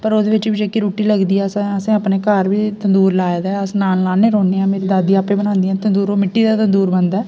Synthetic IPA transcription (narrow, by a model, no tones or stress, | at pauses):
pəɾod̪eʋɪt͡ʃːbid͡ʒəkːiɾuːʈːiːləɡd̪ijɛːsãːəsẽːɐpːneːkaːɾbiːt̪ɐ̃nd̪uːɾlaːjd̪ɛːɐsnaːnlaːneːɾoːnːiãːmeːɾid̪aːd̪iaːpːeːbənãːnd̪iɛ̃ːt̪ɐnd̪uːɾomɪʈːiːd̪aːt̪ɐ̃nd̪uːɾbənd̪ɛː